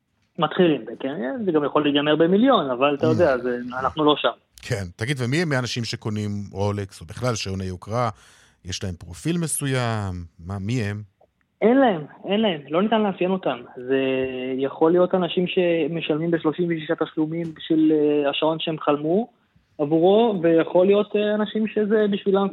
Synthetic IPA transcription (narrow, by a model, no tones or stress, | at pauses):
mat̪χilimbekenezeɡamjaχo̞litɡameʁbemiljo̞navalat̪ajod̪eazeanaχnulo̞ʃam | kʰent̪aɡid̪vemiemianaʃimʃe̞ko̞nimʁo̞leksobiχlalʃeonejokʁa | jeʃlae̞mpʁo̞filme̞sujamːamiem | e̞nlae̞me̞nlae̞mlo̞nit̪anleɦafjeno̞t̪amze̞jaχo̞lijo̞t̪anaʃimʃe̞meʃalmimbeʃlo̞ʃimveʃiʃat̪aʃlumimbiʃvilaʃao̞nʃeemχalmu | avuʁo̞vejaχo̞lijo̞t̪anaʃimʃe̞ze̞biʃvilam